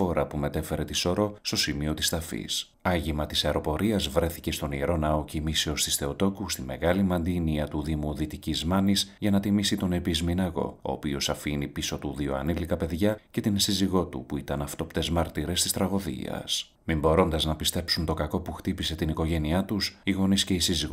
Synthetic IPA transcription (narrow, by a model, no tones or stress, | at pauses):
fo̞ɾɐpume̞t̪e̞fe̞ɾe̞t̪iso̞ɾo̞st̪o̞simio̞t̪ist̪ɐfḭs | ɐʝimɐt̪isɐeɾo̞po̞ɾiɐzvɾe̞θice̞st̪o̞nieɾo̞nɐo̞cimise̞o̞st̪i̥sθe̞o̞t̪o̞kust̪imːe̞ɣɐlimɐnd̪iniɐt̪uðimuðit̪icizmɐnisʝɐnɐt̪imisit̪o̞ne̞pizminɐɣo̞̰o̞̰ːpio̞sɐfinipiso̞t̪uðio̞ɐ̰nilikɐpe̞ðʝɐce̞t̪insiziɣo̞t̪ṵpuit̪ɐnɐft̪o̞pt̪e̞zmɐɾt̪iɾe̞st̪ist̪ɾɐɣo̞ðḭɐ̰s | mimbo̞ɾo̞nd̪ɐznɐpist̪e̞psunt̪o̞kɐko̞puxt̪ipise̞t̪iniko̞ʝe̞niɐt̪usiɣo̞nisce̞isiziɣo